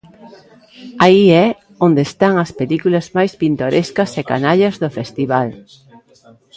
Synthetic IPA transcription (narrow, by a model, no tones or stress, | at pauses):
aiɛ | õnd̪eːst̪aŋɐspelikulɐzmajspint̪oɾʔeskɐseka̰naʎɐzðofest̪iβal